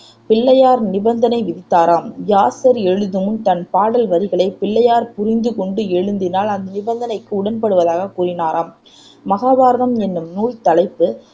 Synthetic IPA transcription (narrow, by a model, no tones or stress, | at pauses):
pɪɭːɐjaːɾnɪbɐnd̪ɐnɐɪʋɪðɪt̪ːaːɾaːmjaːsɐɾɛɻɯðɯmɯmt̪ɐnpaːɽɐlʋɐɾɪɣɐɭɐɪpɪɭːɐjaːɾpʊɾɪnd̪ɯkɔɳɖɯɛɻɯnd̪ɪnaːlɐnd̪ɐnɪbɐnd̪ɐnɐɪkːɯʊɽɐnpɐɽɯʋɐðaːɣɐkuːɾɪnaːɾʔaːmː | ɐɣaːðaːɾɐɳɐmɛnːɯmnuːɻt̪ɐɭɐɪpːɯ